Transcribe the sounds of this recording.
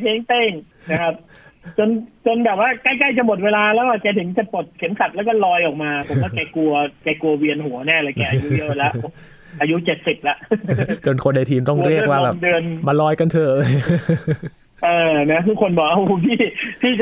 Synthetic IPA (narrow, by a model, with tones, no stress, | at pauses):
t̪ʰeː˦˥ŋt̪eː˧˩ŋ | na˦˥kʰa˦˥p̚ | t͡ɕo˧nt͡ɕo˧nbɛː˨˩p̚waː˥˩kaː˥˩jka˥˩jt͡ɕa˨˩mo˨˩t̪̚weː˧laː˧lɛː˦˥waː˧˩kɛː˧t̪ʰɯ˨˩˦ŋt͡ɕa˨˩po˨˩t̪̚kʰe˩˦msʰa˨˩lɛː˦˥wkɔː˥˩lɔː˧jʔɔː˨˩k̚maː˧pʰo˩˦waː˥˩kɛː˧ku˧ɐkɛː˧ku˧ɐwi˧ənɦu˩˦ɐnɛː˥˩lɛː˨˩kɛː˧˩ʔa˧ju˦˥i˧˩˨we˧la˦˥ho˧˩ | ʔaː˧ju˦˥t͡ɕe˨˩t̪̚si˨˩p̚la˦˩ʔt͡ɕo˧nkʰo˧nda˧jt̪ʰiː˧mt̪ɔ˥˩ŋ˦ɾi˥˩ə˧k̚waː˥˩bɛː˨˩ŋdɯ˧ənma˧lɔː˦˥jka˧˨nt̪ʰɤː˧˩ʔɤː˧j | ʔɤː˧na˦˥kʰɯː˧˥˩kʰo˧nbɔː˨˩k̚ʔa˧˩ʔu˧˩t̪ʰiː˥˩t̪ʰiː˥˩t͡ɕ